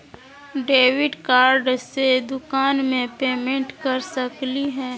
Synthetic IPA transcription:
ɖeːwɪɖkaːɾɖsed̪ʊkaːnmẽpeːmẽɳʈkɐɾsəkliɦɛ̃ː

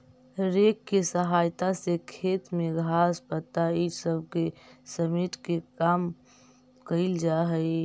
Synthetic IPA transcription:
ɾeːkːesəɦaːjt̪asekʰeːt̪mẽɡʱaːspət̪ːaisəbʱkesəmiʈkekaːm | kəɪld͡ʒaɦəi

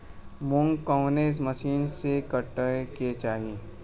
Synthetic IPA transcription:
mʊŋɡkɔːneːzməʃiːnsekəʈːəket͡ʃaːɦiː

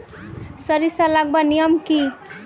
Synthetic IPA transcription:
səɾisalaɡ̚banijəmki

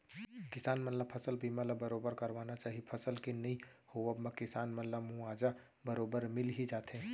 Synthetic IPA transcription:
kɪsaːnmɐnləpʰəsəlbʱiməlabəɾoːbəɾkɐɾʋaːnat͡ʃaːɦipʰɐsəlkinɐɦĩhoəbmẽkɪsaːnmɐnlamũaːd͡ʒa | bəɾoːbəɾmɪlɦid͡ʒaːt̪ẽ

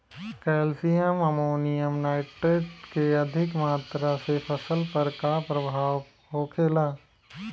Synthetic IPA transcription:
kɛːlsijəmɐmoːnɪjəmnaːɪʈeʈkeɐd̪ʱɪkmaːt̪ɾasepʰɐsəlpɐɾkapɾɐbʱaːw | ɦoːkʰeːlaː

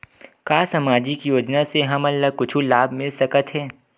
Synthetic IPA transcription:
kaːsɐmaːd͡ʒikjoːd͡ʒnaseɦɐmɐlːakʊt͡ʃʰulaːbʱmɪlsɐkət̪ɦɛː

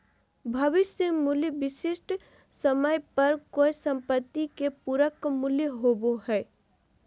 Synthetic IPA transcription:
bʱɐʋɪsjəmuljʋɪsɪʃʈ | səməjpɐɾkoːisə̃mpət̪ːikepuɾəkmʊljɦoːboɦɛː

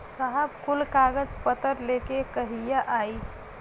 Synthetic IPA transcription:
səɦəbkulkaɡəd͡ʒpət̪əɾlekekəɦijaʔai

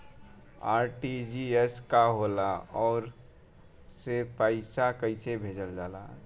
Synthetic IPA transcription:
aːɾʈid͡ʒieskaɦolaɔːɾ | sepaɪsakəɪsebʱeːd͡ʒəld͡ʒaːla̰

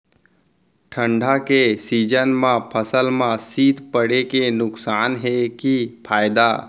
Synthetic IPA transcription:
ʈʰə̃ɳɖʱakesid͡ʒənmãpʰəsəlmãsiːd̪ʱpəɽekenʊksaːnɦekipʰaːjd̪a

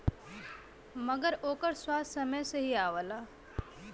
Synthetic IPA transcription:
mɐɡəɾoːkəɾswaːssɐməjseɦiaːʋəlaː

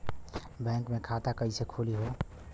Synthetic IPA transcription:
bɛ̃ŋkmekʰat̪akəisekʰuliɦo

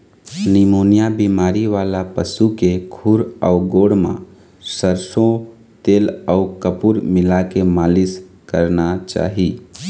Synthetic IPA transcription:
nimoːnijabiːmaːɾiʋaːlapəsukekʰuɾɔʊɡoːɽmã̰ | səɾsõ | t̪eːlɔʊkəpuɾmɪlakemaːlɪs | kəɾnat͡ʃa̰ːɦi

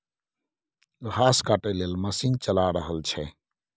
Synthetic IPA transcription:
ɣaːskaʈeljelməsiːnt͡ʃəlaɾəɦəlt͡ʃʰɛ

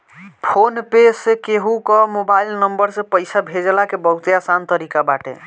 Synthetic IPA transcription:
pʰonpesːekeɦukɔmobailnəmbəɾsẽpəɪsabʱed͡ʒlakebəɦut̪jasant̪əɾikabaʈḛ

